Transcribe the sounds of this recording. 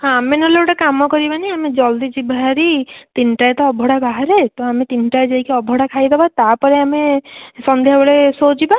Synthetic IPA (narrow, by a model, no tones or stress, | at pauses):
ɦãːmenɔloʈakamɔkɔɾibaniamed͡ʒɔld̪id͡ʒibʱaɦaɾit̪inʈajt̪ɔɔbʱɔɽabaɦaɾet̪ɔamet̪inʈajd͡ʒaikeɔbʱɔɽakʰajd̪ebat̪apɔɾeamesɔnd̪ʱjabɔɭesod͡ʒiba